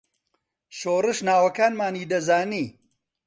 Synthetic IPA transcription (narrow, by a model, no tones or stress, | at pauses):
ɕoːɾɨʂnaːwɐkaːnmaːniːd̪ɐzaːni